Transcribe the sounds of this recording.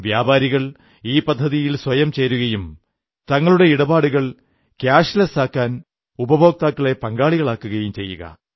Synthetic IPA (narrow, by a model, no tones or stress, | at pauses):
ʋjaːbaːɾiɣɐɭ | iːpɐd̪ʱːɐðijilswɐjɐmt͡ɕe̞ːɾuɣɐjum | t̪ɐŋːɐɭuɽe̞iɽɐbaːɽuɣɐɭ | kjaːɕlɐsaːkːaːn | ubɐbʱo̞ːk̚t̪aːkːɐɭe̞pɐŋɡaːɭiɣɐɭaːkːuɣɐjumt͡ɕe̞jːuɣɐ̰